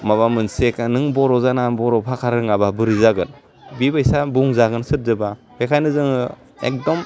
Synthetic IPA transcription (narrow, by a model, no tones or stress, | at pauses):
maβamɯnsekanɯŋbɔɾɔzanabɔɾɔpʰakʰaɾɯŋababɯɾizaɡɯl | bibajsabuŋzaɡɯnsɯt̚zɯbapʰekʰajnɯzɯŋ | ḛk̚dɔm